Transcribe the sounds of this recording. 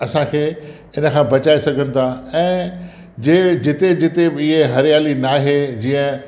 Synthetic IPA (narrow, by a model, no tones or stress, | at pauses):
ɐsãkʰeː | ɪnə̆kʰãːbɐt͡ɕaːesɐɡʱənɪ̆t̪ʰaːɛ̃ː | d͡ʑeːd͡ʑɪt̪ed͡ʑɪt̪ebɪɦeɦɐɾijaːlinaːɦed͡ʑiːə̃